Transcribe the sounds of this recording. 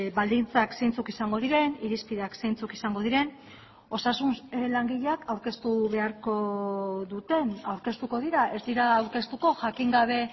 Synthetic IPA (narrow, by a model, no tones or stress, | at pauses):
βald̪int͡sakse̞jnt͡sukisaŋɡo̞ð̞iɾe̞niɾispiðakse̞jnt͡sukisaŋɡo̞ð̞iɾe̞n | o̞sasunlaŋɡiʎeakawɾke̞st̪uβe̞aɾko̞ðut̪e̞nawɾke̞st̪uko̞ð̞iɾaʔe̞zd̪iɾaːwɾke̞st̪uko̞ʝakiŋɡaβ̞e̞